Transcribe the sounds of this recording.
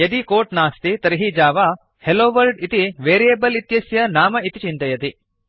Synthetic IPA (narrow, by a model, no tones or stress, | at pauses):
jɐd̪ikoːʈnaːst̪it̪ɐɾiɦiːd͡ʒaːʋa | heloːʋɐɾɖit̪iʋeːɾijeːbɐlit̪jɐsjɐnaːmɐit̪it͡ʃint̪ɐjɐt̪i